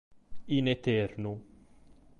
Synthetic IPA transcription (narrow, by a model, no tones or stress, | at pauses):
inɛt̪ɛɾnu